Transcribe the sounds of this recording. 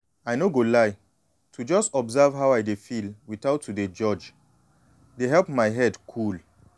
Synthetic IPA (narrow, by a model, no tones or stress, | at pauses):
ajnoɡolaɪ | tʰud͡ʒɔstɔbzavɦawajdefilwiθaʊtʰːuded͡ʒɔd͡ʒ | deɦɛlpmaɪɦɛdkʰul